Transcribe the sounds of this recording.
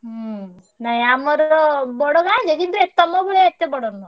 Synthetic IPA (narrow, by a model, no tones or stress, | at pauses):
naɦĩamɔɾɔbɔɽɔkad͡ʒed̪ibɾek̚t̪ɔmɔbuɭeet̪ːebɔɽɔnɔ